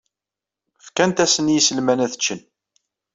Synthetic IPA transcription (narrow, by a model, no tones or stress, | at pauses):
fkænt̪æsənjisəlmænæθə̥t͡ʃːən